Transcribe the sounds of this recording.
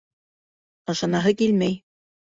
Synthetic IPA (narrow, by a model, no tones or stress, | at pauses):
ɤ̆ʃɑ̆nɑɦɤkilmæj